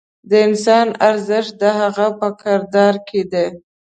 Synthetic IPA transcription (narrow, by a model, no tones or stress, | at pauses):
d̪əɪnsɑnaɾzəʃt̪̚d̪əɦaɣapəkaɾd̪ɑɾkʰed̪e